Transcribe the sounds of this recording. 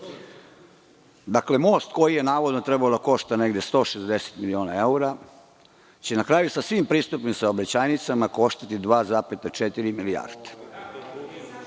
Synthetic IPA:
d̪akle̞mo̞ːst̪ko̞jije̞naːʋo̞d̪not̪ɾe̞baod̪ako̞ʃt̪ane̞ɡd̪jest̪o̞ʃezd̪e̞se̥t̪milio̞ːnae̞uɾa | t͡ɕenakɾaːjusasʋimpɾiːst̪upnimsaobɾet͡ɕaːjnit̪samako̞ʃt̪at̪id̪ʋaːzapet̪at͡ʃet̪iɾimilija̰ːɾd̪̥e̥

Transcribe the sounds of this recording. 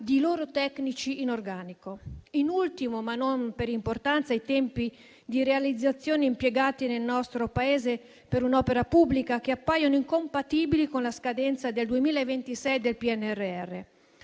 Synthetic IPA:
d̪iloːɾot̪ɛknit͡ʃiːnorɡaːnikoinult̪imomanːompeɾimport̪ant̪saijt̪ɛmpi | d̪iɾealid̪zːat̪sːjoːneimpjɛɡaːt̪inelnɔst̪ɾopaeːze | peɾunɔːpeɾapubːlikak̟eapːajanoiŋkompat̪iːbilikonlaskad̪ɛnt̪sad̪eld̪uemiːlaevːent̪isɛjd̪elpiɛnːɛrːeɛrːe

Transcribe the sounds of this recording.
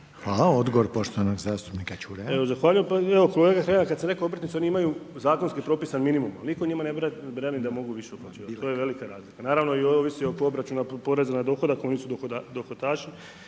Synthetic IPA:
xaːlaod̪ɡoʋoɾpoʃt̪oanoɡzaːst̪u̥pnikat͡ʃuɾeeʋozaxʋaːʎujempaeʋokoloʋeɡaxɾaaakad̪seɾe̞koobɾt̪nit̪seniimajuzaːkonskipɾo̞ːpisanminimumalnikoɲimanebɾenid̪amo̞ɡuʋiʃeuplat͡ʃ̪iːat̪oːjeʋe̞likaɾaːzlikanaːɾaʋno̞iooʋisiokoobɾat͡ʃunapo̞ɾezenad̪o̞xo̞d̪akoonisud̪od̪oxot̪aːʃi

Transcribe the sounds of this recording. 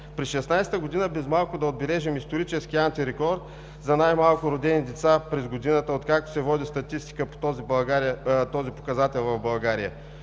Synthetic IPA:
pɾɛsʃɛsnajsɛ̥t̪əɡod̪inəbɛzmalˠkʊd̪ɐod̪̚bɛlɛʒɛmist̪oɾit͡ʃɛsk̟ʲiant̪iɾɛkɔɾt̪ | zɐnajmalˠkʊɾod̪ɛnid̪ɛt̪sapɾɛzɡod̪inət̪əot̪kak̚t̪o̥sɛvɔd̪ist̪ɐt̪ist̪i̥kəpo̥t̪ɔzibɐɡaɾit̪ɔzipokɐzat̪ɛlˠvɐvbɐlˠɡaɾijə

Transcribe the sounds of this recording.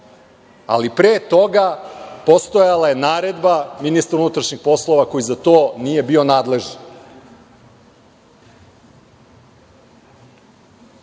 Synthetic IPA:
a̰lipɾeːt̪o̞ɡapo̞st̪ojalaje̞naːɾe̞d̪baminist̪aɾunut̪ɾaʃɲixpo̞slˠo̞ʋako̞jizat̪o̞ːnije̞bio̞naːd̪le̞ʒen

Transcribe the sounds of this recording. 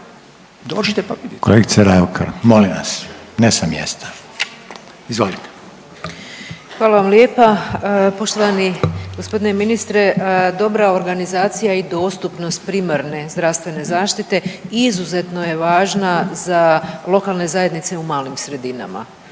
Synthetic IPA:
d̪oːd͡ʒit̪ekoleɡitseɾeokʰa̰ɾmolimʋa̰snesamjḛst̪ḁ | izʋolit̪e̥ | xʋaːlˠaʋamljeːpapo̞ʃt̪oaniɡospo̞d̪ineminist̪ɾe̞d̪o̞bɾao̞ɾɡanizaːt̪sijaid̪o̞ːst̪upno̞st̪̚pɾiːmaɾne̞zd̪ɾaʋst̪ʋe̞ne̞zaːʃt̪it̪e̞izuze̞t̪no̞je̞ʋaːʒnazalˠo̞kalˠne̞zaje̞d̪nit̪se̞umaːlimsɾe̞d̪ina̰ma̰

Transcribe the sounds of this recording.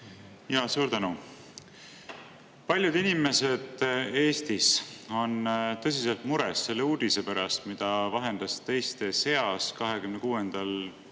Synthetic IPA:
jɑːsuːɾt̪ænu | pɑlʲjud̪̥inime̞se̞d̪̥e̞ːst̪iso̞nt̪ɤ̞s̬iselt̪muɾe̞sse̞lːe̞uːd̪̥ise̞pæɾɑst̪mid̪̥ɑvɑɦe̞nd̪̥ɑst̪ejst̪ese̞ɑskɑɦe̞kymnekuːe̞nd̪̥ɑl

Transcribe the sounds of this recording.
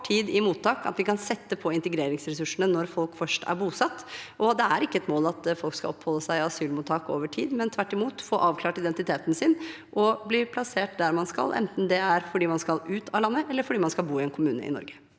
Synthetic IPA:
ʈʰiːd̪ɪmuːt̪ːɑːkɑ̰t̪ʋɪkʰɑnsɛt̪ːəpʰɔɪnt̪ɛɡɾeːɾɪŋsɾɛsʉʂəɳənɔɾfɔlkfœʂʈæ̰ɾbuːsɑt̪ːʔɔd̪ɛæɾɪkːəɛt̪moːlɑt̪fɔlkskɑ̰ɔpːhɔlːəsæɪɑsyːlmʊːt̪ʰːɑːko̰ːʋəʈʰiːd̪mɛnt̪ʰʋæʈːɪmuːt̪fɔːɾʔɑːʋkʰlɑːʈɪd̪ɛnt̪ɪt̪ʰeːt̪n̩sɪn | ʔɔbliːpʰlɑseːʈ̚d̪æɾmɑnskɑ̰lʔɛ̰nt̪n̩d̪ɛæɾfɔɖiːmɑnskɑlʉːt̪ʰɑːlɑnːəʔɛlːəɾfɔɖiːmɑnskɑlˠbuːɪɛnkʰʊmʉːnə̰ʔɪ̰nɔ̰ɾɡə̥

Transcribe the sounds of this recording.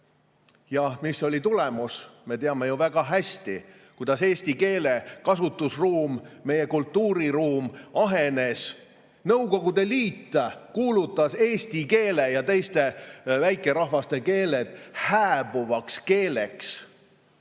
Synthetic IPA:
jɑmisːo̞lʲit̪ulemusme̞t̪eɑme̞juvæɡ̥ɑɦæsʲt̪ḭ | kujd̪̥ɑse̞ːst̪ike̞ːle̞kɑsut̪ːˑusruːmːe̞je̞kult̪ːuːɾiruːmɑɦe̞ne̞s | nɤwko̞ɡ̥ud̪̥e̞liːt̪ːkuːlut̪ːˑɑse̞ːsʲt̪ike̞ːle̞jɑt̪e̞jst̪e̞væjkːˑe̞ɾɑɦvɑst̪e̞ke̞ːle̞d̪̥hæːb̥uvɑkske̞ːle̞ks

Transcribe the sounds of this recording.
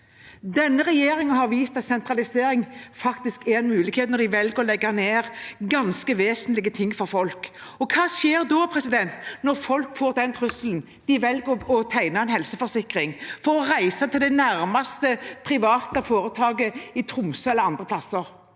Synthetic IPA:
d̪ɛnːəʁɛjeːɾɪŋəhɑɾʋiːst̪ɑt̪sɛnt̪ɾɑlɪseːɾɪŋfɑkt̪ɪskɛɾɛnmʉːlɪkheːt̪nɔd̪ɪʋɛlɡəɾɔlɛɡːɑneːʁɡɑnskəʋeːsnlɪɡət̪ʰɪŋːfɔʁfɔlkɔkʰɑːsjeːʁd̪ɔpʰɾɛsɪd̪ɛnt̪nɔʁfɔlkfoːʁd̪ɛnt̪ʰʁʉsəln̩ | d̪̥ɪʋɛlɡəɔt̪ʰæɪnɑɛnhɛlsəfɔʁsɪkɾɪŋfɔʁɔʁæɪsɑt̪ʰɪld̪ɛnæɾmɑst̪əpʰɾɪʋɑːt̪əfoːɾət̪ʰɑːɡəɪt̪ʰɾʊmsəɛləɑnd̪ʁəpʰlɑsəɾ

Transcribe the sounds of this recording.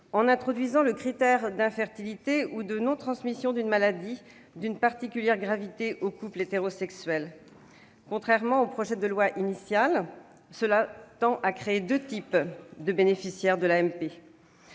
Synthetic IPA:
ɑ̃nɛ̃t̪χɔd̪ɥizɑ̃ləkχit̪ɛʁd̪ɛ̃fɛʁt̪ilit̪eud̪ənɔ̃t̪χɑ̃smisjɔ̃d̪ynmalad̪i | d̪ynpaʁt̪ikʲyljɛʁɡʁavit̪eʔokuplet̪eʁɔsɛksɥɛl | kɔ̃t̪χɛʁmɑ̃opχɔʒɛd̪əlwaʔinisjal | səlat̪ɑ̃ʔakχeːd̪øt̪ipd̪əbenefisjɛʁd̪əlaɛmpe

